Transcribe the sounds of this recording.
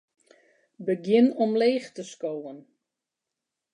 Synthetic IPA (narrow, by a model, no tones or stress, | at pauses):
bəɡjɪnɔmleːxtəskoːən